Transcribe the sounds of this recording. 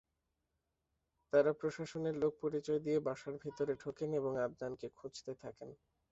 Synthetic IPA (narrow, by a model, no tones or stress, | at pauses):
t̪aɾapɾoʃaʃoneɾlok̚poɾit͡ɕɔed̪iebaʃaɾbʱit̪oɾeʈʰokeneboŋab̪nankekʰud͡ʑt̪et̪ʰaken